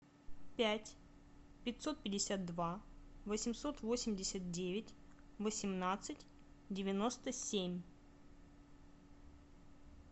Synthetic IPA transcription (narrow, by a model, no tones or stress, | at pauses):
pʲætʲ | pʲɪtʲso̞t̪̚pʲɪdʲɪsʲat̪̚d̪vavəsʲɪmso̞t̪vo̞sʲɪmʲdʲɪsʲət̪̚dʲevʲɪtʲvəsʲɪmnat̪sɨtʲ | dʲɪvʲɪno̞st̪əsʲemʲ